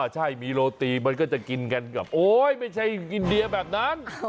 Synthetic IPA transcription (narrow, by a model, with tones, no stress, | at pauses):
t͡ɕʰa˥˩jmiː˧ɾoː˧t̪iː˧˩ma˧nkɔː˥˩t͡ɕɛ˨˩ki˧nka˧nka˨˩p̚ʔoː˧˩jma˥˩jt͡ɕʰa˥˩jʔi˧ndi˧əbɛː˨˩p̚na˦˥n